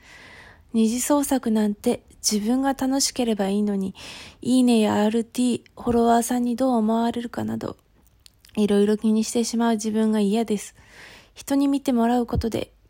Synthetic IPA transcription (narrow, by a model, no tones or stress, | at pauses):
ɲ̟iʑiso̞ːsakɯ̟nãnt̪e̞ | d͡ʑibɯ̟̃ŋɡat̪ano̞ɕi̥ke̞ɾe̞baiːno̞ɲ̟iiːne̞jaaːɾɯ̟t̪ʲiː | ho̞ɾo̞βasãɲ̟ːid̪o̞ːmo̞βaɾe̞ɾɯ̟kana̰d̪o̞̰ | iɾo̞iɾo̞kʲiɲ̟iɕi̥t̪e̞ɕimaɯ̟ʑibɯ̟̃ŋɡaijad̪e̞sɨ̥ | çi̥t̪o̞ɲ̟imʲit̪e̞mo̞ɾaɯ̟ko̞t̪o̞d̪e̞̰